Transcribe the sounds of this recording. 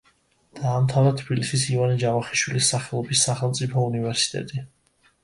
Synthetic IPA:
d̪̥aːmt̪ʰavɾat̪ʰb̥ilisisivanid͡ʒavaχiʃwilisːaχɛlˠɔbisːaχɛlˠmt̪sʼipʰɔunivɛɾsi̥t̪ʼɛ̰t̪ʼi

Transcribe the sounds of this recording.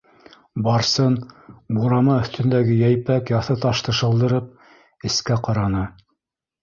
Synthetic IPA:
bɑɾsɤnbuɾɑmɑɵ̆θt̪ɵ̆nd̪æɡɘjæjpækjɑθɤt̪ɑʃt̪ɤ̆ʃɤ̆lˠd̪ɤ̆ɾɤp̚ | ɘ̆skæqɑɾɑnɤ

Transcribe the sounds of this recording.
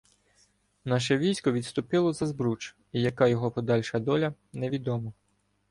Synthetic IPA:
nɑʃ̬ɛʋʲijsʲkɔʋʲid̪st̪ʊpɪlˠɔzɐzbɾut͡ʃ | ijɐkɑjɔɦɔpɔd̪ɑlʲʃɐd̪ɔlʲɐnɛʋʲid̪ɔmɔ

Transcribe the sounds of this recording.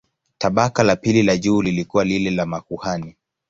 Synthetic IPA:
taɓakalapililaʄuːlilikuwalilɛlamakuhani

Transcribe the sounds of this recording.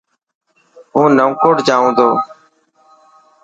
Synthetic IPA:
ɦũːnəʊkoɽd͡ʒaːũːd̪oː

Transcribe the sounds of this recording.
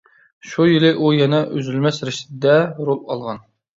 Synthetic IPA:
ʃujilɪʔujɛnɛʔøzylmɛsɾɪʃt̪d̪ɛɾolˠɑlˠʁɑn

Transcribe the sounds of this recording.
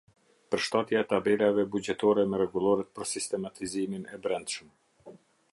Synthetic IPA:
pəɾʃt̪at̪jaɛt̪abɛlavɛbud͡ʑɛt̪ɔɾɛmɛɾɛɡulˠɔɾɛt̪̚pəɾsist̪ɛmat̪iziminɛbɾɛnd̪ʃm

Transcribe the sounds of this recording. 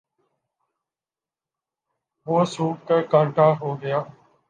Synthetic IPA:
ʋoːsuːkəkəːʈaːɦoːɡəjaː

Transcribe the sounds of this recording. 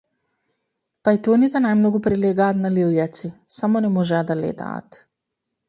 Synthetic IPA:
pajt̪ɔnit̪ɛnajmnɔɡupɾɛlɛɡaːt̪naliljat̪sisamɔnɛmɔʒɛad̪alɛ̰t̪a̰ːt̪

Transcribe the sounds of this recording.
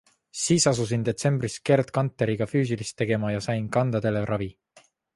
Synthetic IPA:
siːsɑsus̬ind̪̥e̞t̪se̞mb̥riske̞rd̪̥kɑnt̪ˑːe̞ɾiɡ̥ɑfyːs̬ilist̪ːe̞ɡ̥e̞mɑjɑsɑjnkɑnd̪̥ɑd̪e̞leɾʔɑvi

